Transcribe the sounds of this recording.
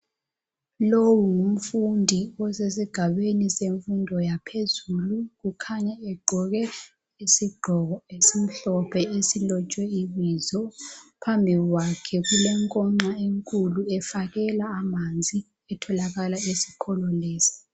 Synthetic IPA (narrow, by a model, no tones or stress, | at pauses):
lowuŋum̩fundʱiɔsesiɡ̥ʱaɓeniseɱfundʱɔjapʰezulukukʰaɲaɛɡ͡ǃʱɔɣɛ | esim̩ɬɔpʰɛesilɔt͡ʃʼwɛiβizɔpʰambʱiɣwakʰɛɣulɛŋkʼɔŋ͡ǀaeŋkʼuluɛfaɣɛlaːmand͡zʱi | ɛtʰɔlaɣalaesi̥kʰɔlɔleːsi̥